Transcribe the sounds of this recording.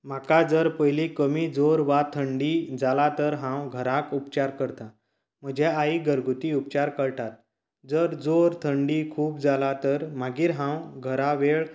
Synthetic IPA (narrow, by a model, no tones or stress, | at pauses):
m̤akad͡zəɾpəjlikəmid͡zoɾʋat̪ʰəɳɖid͡zalat̪əɾɦãwɡʱəɾakupt͡ɕaɾkəɾt̪ã | m̤əd͡ʑeaiɡəɾɡʱut̪iup̚t͡ɕaɾkəɭʈat̪̚ | d͡zəɾd͡zoɾt̪ʰəɳɖikʰuːpd͡zalat̪əɾm̤aɡiːɾɦãwɡʱəɾaʋeɭ